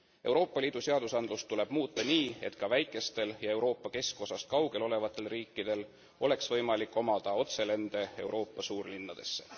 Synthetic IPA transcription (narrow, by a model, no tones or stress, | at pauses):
e̞wɾo̞ːpːˑɑlʲiːd̪̥use̞ɑd̪usɑnd̪̥lust̪ːule̞b̥muːt̪ˑːɑniːe̞̰t̪kɑvæjkːˑe̞st̪e̞ljɑe̞wɾo̞ːpːˑɑke̞sko̞sɑst̪kɑwɡ̥e̞lo̞le̞vɑt̪ːˑe̞lriːkːˑid̪̥e̞l | o̞le̞ksvɤ̞jmɑlikːˑo̞mɑd̪̥ɑo̞t̪se̞le̞nd̪̥e̞e̞wɾʔo̞ːpˑːɑsuːrlinːɑd̪̥e̞sːe̥̰